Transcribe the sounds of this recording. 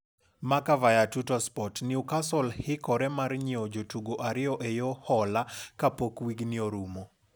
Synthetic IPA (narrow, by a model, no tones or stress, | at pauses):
makavajatutɔspɔtnɪukasɔlhɪkɔɾɛmarɲiod͡ʒotuɡoʔaɾɪɔʔejohɔlakapokwiɡnioɾumo